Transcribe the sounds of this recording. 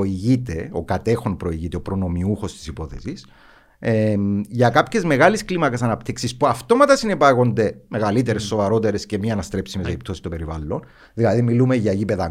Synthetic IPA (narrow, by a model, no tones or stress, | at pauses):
iʝit̪e̞o̰kɐt̪e̞xo̞npɾo̞iʝit̪eopɾo̞no̞miuxo̞st̪i̥sipo̞θe̞̰sis | eʝɐkɐpçe̞zme̞ɣɐlisklimɐkesɐnɐpt̪iksispuɐft̪o̞mɐt̪ɐsinepɐɣo̞nd̪e̞me̞ɣɐlit̪e̞ɾesːo̞vɐɾo̞t̪e̞ɾesce̞miɐnɐst̪ɾe̞psimeseip̚t̪o̞sist̪ope̞ɾivɐlːon | ðilɐðimːilumeʝɐʝipe̞ðɐ